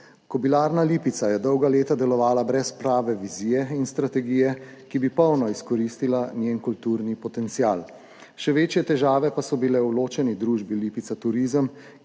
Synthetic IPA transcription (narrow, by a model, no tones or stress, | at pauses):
kɔbilaːɾnaliːpit̪sajɛd̪ɔwɡaleːt̪ad̪ɛlɔʋaːlabɾɛspɾaːʋɛʋiziːjɛinst̪ɾat̪ɛɡiːjɛkibipɔwnɔiskɔɾiːst̪ilanjeːnkult̪uːɾnipɔt̪ɛnt̪sijaːl | ʃɛʋeːt͡ʃjɛt̪ɛʒaːʋɛpasɔbilɛwloːt͡ʃɛnid̪ɾuːʒbiliːpit̪sat̪uɾiːzəm